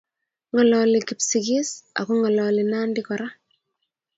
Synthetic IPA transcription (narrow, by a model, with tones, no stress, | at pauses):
ŋɔ˨lɔli˨ki˨psiki˦sa̰˨ku˦ŋɔ˨lɔ˨li˨naː˦ndikɔɾa˦